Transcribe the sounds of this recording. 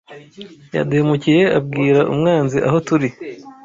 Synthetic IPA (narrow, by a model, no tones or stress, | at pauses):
ja̰duhemucije̞abɡiːɾaʔṵmŋaːnziʔa̰ɦo̞tuɾi